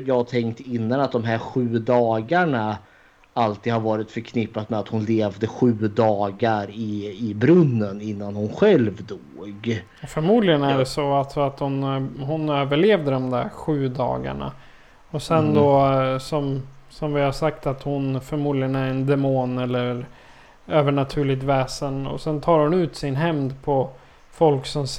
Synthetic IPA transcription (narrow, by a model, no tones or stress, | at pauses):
jɑːat̪ʰɛŋkt̪ɪnːanat̪̚d̪ɔmɦæɾɧʉ̟ːd̪ɑːɡaɳa | alt̪iːd̪haɾvɑːɾɪt̪fœɾkʰnɪpːat̪mɛat̪hʊnleːvd̪əɧʉ̟ːd̪ɑːɡaɾɪɪbɾɵnːənɪnːanhʊnɧɛlvd̪oːɡ | fœɾmuːd̪lɪɡənæɖɛsɔalt̪sɔat̪hʊnɦʊnøːvəɭeːvd̪əd̪ɔmd̪æ̰ɾɧʉ̟ːd̪ɑ̰ːɡa̰ɳa̰ | ɔsɛnd̪ɔsɔmsɔmvɪhasakt̪at̪hʊnfœɾmuːd̪lɪɡənæɾɛnd̪ɛmoːnɛlːə | øːvəɳat̪ʰʉ̟ːɭɪɡ̚t̪vɛːsənɔ̰sɛnt̪ʰɑːɾhʊnʉ̟ːt̪sɪnɦɛmd̪pʰɔ | fɔlksɔm